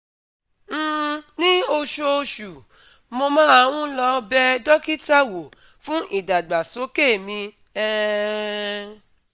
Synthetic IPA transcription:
m̩̃ː˨nĩ˦o˧ʃo˧ʃu˨ | mo˧mãː˦a˧w̃ũ˦lɔ˧bɛ˦dɔ˦ki˦ta˦˨wo˨ | fũ˦ʔi˦˨da˨ɡ͡ba˨so˨˦ke˦˨mĩ˧ | ɛ˦

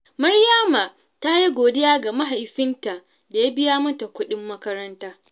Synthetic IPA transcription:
mɐ˦ɽja˦ma˨ | ta˦ji˦ɡʷoː˨dɪ˦jaː˦ɡa˨ma˦ɦa˨jɸɪ˦nta˨ | da˨ja˦bɪ˦jaː˦mɐ˦ta˨kʷʊ˦ɗɪ˦mːɐ˦kɐ˦ɾɐ˦ntaː˦

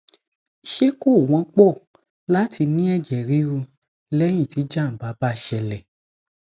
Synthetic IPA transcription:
ʃe˦ko˦˨w̃ɔ̃˨˧˦k͡pɔ˦˨ | la˦ti˧nĩ˦ɛ˦˨d͡ʒɛ˨ɾi˨˦ɾu˧ | lɛ˦j̃ĩ˦˨ti˨˦d͡ʒa˦˨m̩˨ba˨˦ba˦˨ʃɛ˧lɛ˨

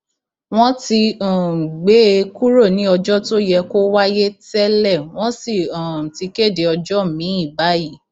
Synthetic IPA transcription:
w̃ɔ̃˦ti˧ã˨ɡ͡be˦˧ku˦ɾo˦˨nĩ˨˦ɔ˧d͡ʒɔ˦to˦jɛ˧ko˦wa˦je˦tɛ˦lɛ˦˨w̃ɔ̃˦si˦˨ã˨ti˧ke˦˨de˨ɔ˧d͡ʒɔ˦˨mĩ˨˦i˦˨ba˨˦ji˦˨

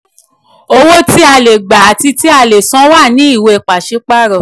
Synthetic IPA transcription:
o˧wo˦ti˦a˧le˨ɡ͡ba˨a˨ti˧ti˦a˧˨le˨sɔ̃˨˦wa˦˨nĩ˨˦i˦˨we˧e˨k͡pa˨ʃe˨˦k͡pa˦˨ɾɔ˦˨

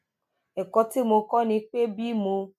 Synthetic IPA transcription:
e˨kɔ˦tɪ˦mʊ˨kɔ˦ni˦k͡pe˦bi˦mu˧

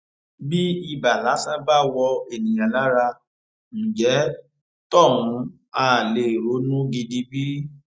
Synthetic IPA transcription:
bi˦i˧ba˨la˨˦sã˦ba˦wɔ˧e˨nĩ˨j̃ã˨la˦ɾa˧ | ñ̩˨d͡ʒɛ˨˦ | tɔ˦˨wũ˨˧˦ | a˦˨le˨ɾo˨˦nũ˦ɡi˧di˧bi˦

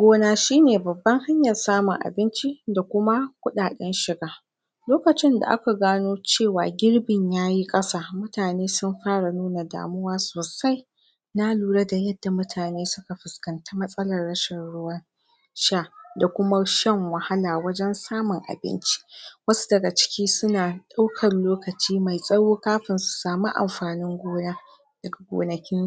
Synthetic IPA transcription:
ɡʷoː˦naː˨ʃiː˦neː˨bɐ˨bːɐ˦ŋha˦ɲjɐ˨saː˦mʊ˨ŋʔa̰˨bɪ˦nt͡ʃi˦da˨kʷʊ˦ma˦kʷʊ˦ɗaː˨ɗɛ˦nʃɪ˨ɡaː˦ | loː˦kɐ˨t͡ʃɪ˦nda̰˨ʔa̰˦ka˨ɡaː˦noː˦t͡ʃeː˦˨waː˨ɡʲɪ˦ɽbɪ˨ɲjaː˦ji˦kʼɐ˦saː˦mʊ˦taː˨neː˦sʊ˦mɸaː˦ɽa˨nuː˦na˨da̰ː˨mʊ˦waː˦soː˨sa˦j | na˦luː˨ɽɐ˦da˨jɐ˦dːa˨mʊ˦tʰaː˨neː˦sʊ˦ka˨ɸɪ˨skɐ˨nta˦mɐ˦sʼɐ˦lɐ˨rːɐ˦ʃɛ˨nɽʊ˦wɐ˦n | ʃaː˦˨da˨kʷʊ˦ma˦ʃɛ˦˨ŋwɐ˨ha˦laː˨wɐ˦d͡ʒɛ˦nsaː˦mʊ˨ŋʔa̰˨bɪ̰˦nt͡ʃi̥˦wɐ˦su̥˦dɐ˨ɡa˨t͡ʃɪ̥˦kʲiː˦sʊ˦naː˨ɗa˦wkʰɐ˨nloː˦kɐ˨t͡ʃiː˦ma˨jsʼɐ˦joː˦kaː˦ɸɪ˨nsu̥˨saː˨mu˦ʔa̰˨mɸaː˨nɪ˦ŋɡʷoː˦naː˦ | d̥ɐ˨ɡa˨ɡʷo̰ː˨nɐ˨kʲɪ˦ŋ

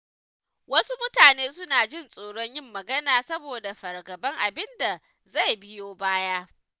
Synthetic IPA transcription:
wɐ˦su˦mʊ˦taː˨neː˦sʊ˦naː˨d͡ʒɪ˦nsʼoː˨ɽɔ˦ɲjɪ˦mːɐ˨ɡɐ˦naː˨sɐ˦boː˨da˨ɸɐ˨rɡɐ˨bɐ˦ŋʔa˨bɪ˦nda˨ | za˦˨jbɪ˦joː˦baː˦jaː˦

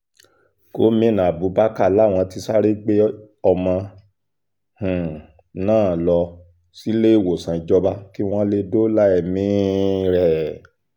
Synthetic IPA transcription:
ko˨˦mĩ˦˨nã˨bu˨˦ba˦ka˦˨la˦˨w̃ɔ̃˧ti˧sa˦ɾe˦ɡ͡be˦ | ɔ˧mã˧ | h̩˨ | nãː˦˨lɔ˧ | si˦le˦i˦˨wo˨sã˨i˨˧d͡ʒɔ˦ba˦ki˦w̃ɔ̃˦le˧do˦la˦ɛ˨mĩ˦ɾɛ˦˨

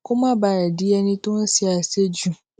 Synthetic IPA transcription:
kʊ̃˦mã˦baː˨ɾa˨di˦ɛ˦nĩ˦tʊ̃˦n̩˦si˦a˨se˦d͡ʒu˦

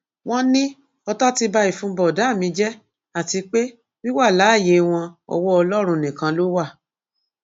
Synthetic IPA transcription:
w̃ɔ̃˦nĩ˦ | ɔ˧tɔ˦ti˧ba˧i˦˨fũ˦bɔ˨da˨˦˨mĩ˧d͡ʒɛ˦ | a˦˨ti˧k͡pe˦ | wi˦wa˦˨la˨˦˨je˨˦w̃ɔ̃˧ɔ̰˧wɔ˦ɔ˧lɔ˦ɾ̃ũ˧˨nĩ˨kã˧lo˦wa˦˨

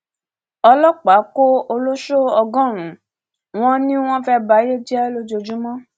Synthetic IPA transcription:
ɔ˧lɔ˦k͡pa˨˦ko˦o˧lo˦ʃo˦ɔ˧ɡɔ̃˦˨ɾ̃ũ˨˦ | w̃ɔ̃˦nĩ˦w̃ɔ̃˦fɛ˦ba˨˦je˦d͡ʒɛ˦lo˦d͡ʒo˧d͡ʒu˦mɔ̃˦

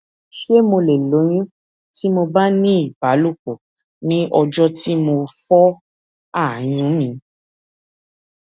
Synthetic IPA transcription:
ʃe˦mo˧le˨lo˨˦j̃ĩ˦ | ti˦mo˧ba˦nĩ˦i˦˨ba˨˦lu˦˨ko˨ | nĩ˦ɔ˧d͡ʒɔ˦ti˦mo˧fɔ˦ | a˦˨j̃ũ˨˦mĩ˧

